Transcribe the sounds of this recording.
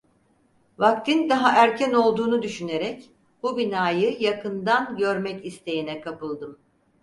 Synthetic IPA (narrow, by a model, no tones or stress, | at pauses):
vak̚t̪ʰind̪aɦaʔæɾcʰæno̞lˠd̪uːnud̪yʃyne̞ɾɛc | b̥ubinaːjɯjakʰɯnd̪anɟø̞ɾmɛcist̪ʰe̞jinɛkʰapɯlˠd̪ɯm